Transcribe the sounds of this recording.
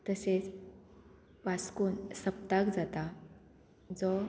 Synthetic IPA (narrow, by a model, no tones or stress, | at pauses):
t̪əset͡s | ʋaskuːnsəp̚t̪akd͡zat̪a | d͡zɔ